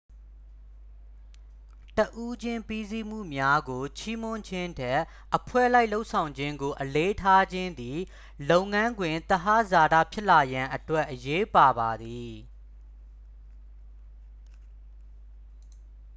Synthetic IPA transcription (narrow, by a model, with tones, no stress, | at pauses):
təʔu˦d͡ʑɪ̃˦mpi˦zi˦m̥ṵ˦˨mja˦ɡo˨t͡ɕʰi˦mʊ̃˦ɲd͡ʑʰɪ̃˦ntʰɛ˦˨ʔːəpʰwɛ̰˦˨la˦ɪʔlo˦ʊʔsʰã˨ʊ̃ɲd͡ʑɪ̃˦ŋɡo˨ʔəle˦tʰa˦d͡ʑɪ̃˦nd̪i˨ | lo˦ʊʔŋã˦ŋɡwɪ̃˨nt̪əɦa˦za˨da̰˦˨pʰjɪ˦ʔla˨jã˨ʔətwɛ˦ʔːəje˦pa˨ba˨d̪i˨